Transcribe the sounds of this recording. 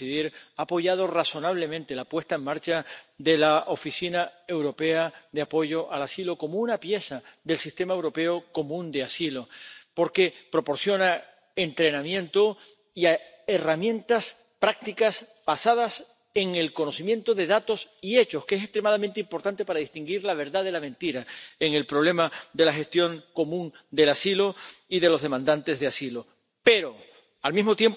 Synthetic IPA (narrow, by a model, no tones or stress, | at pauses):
iðiɾaːpo̞ʝað̞o̞raso̞naβ̞le̞mẽnt̪e̞lapwe̞st̪ae̞ŋmaɾt͡ʃaðe̞laʔo̞fisinae̞wɾo̞pe̞aðeapo̞ʝo̞ʔalasilo̞ko̞mounapje̞saðe̞lsist̪e̞maewɾo̞pe̞oko̞mũnd̪e̞asilo̞po̞ɾke̞pɾo̞po̞ɾsjo̞na | ent̪ɾe̞nãmjẽ̞nt̪o | ia | eramjẽ̞nt̪as | pɾak̚t̪ikas | b̥asað̞as | e̞ŋe̞lko̞no̞simjẽ̞nt̪o̞ðe̞ðat̪o̞sie̞t͡ʃo̞skees̬est̪ɾemaðamẽnt̪eimpo̞ɾt̪ant̪e̞paɾaðist̪iŋɡiɾlaβ̞e̞ɾðaðe̞lamẽnt̪iɾaeŋe̞lpɾo̞β̞le̞mad̪e̞laxe̞st̪jo̞ŋko̞mũŋd̪e̞lasilo̞iðe̞lo̞zðe̞mãnd̪ant̪e̞zðeasilo̞ | pe̞ɾo̞ | almizmo̞t̪je̞m